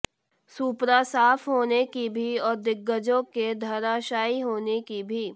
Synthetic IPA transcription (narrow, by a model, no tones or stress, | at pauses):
suːpɾasaːfʰɦoːnekibʱiɔːɾd̪ɪɡːəd͡ʒõked̪ʱɐɾaːʃaːiɦoːnekibʱiː